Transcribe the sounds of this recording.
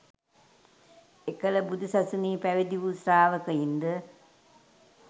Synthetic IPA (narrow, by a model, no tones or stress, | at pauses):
ekələbud̪usasuniːpæʋid̪iʋusɾaːʋəkəjind̪ə